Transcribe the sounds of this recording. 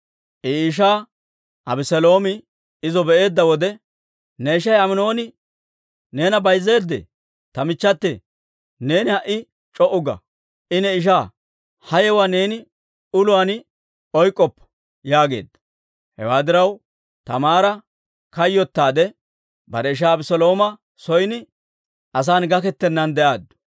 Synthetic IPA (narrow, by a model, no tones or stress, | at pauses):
ʔiːʃ̬aː | ʔɐbɪsɛlo̞ːmɪ | ɪzɔbɛʔe̞ːd̪ːɐwɔd̪ɛ | nɛɪʃ̬ɐjɐmɪno̞ːnɪ | ne̞ːnɐbɐjzːe̞ːd̪ːḛ | t̪ɐmɪt͡ʃːɐt̪ːḛ | ne̞ːnɪhɐʔːɪ | t͡ʃʼɔʔʊɡɐ̰ | ʔɪnɛɪʃ̬aː | hɐjɛwaːne̞ːnɪ | ʊlʊan | ɔjkʼːɔpː | jaːɡe̞̰ːd̪ɐ̥ | hɛ̰waːd̪ɪɾɐw | t̪ɐmaːɾɐ | kɐjːɔt̪ːaːd̪ɛ | bɐɾɛɪʃ̬aːbɪsɔlo̞ːmɐ | sɔjnɪ | ɐs̬aːnɡɐkɛt̪ːɛnːɐnd̪ɛʔaːd̪ːʊ̥